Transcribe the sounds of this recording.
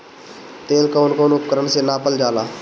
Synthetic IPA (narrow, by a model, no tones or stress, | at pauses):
t̪eːlkoːnkoːnʊp̚kəɾənseːnaːpəld͡ʒaːlaː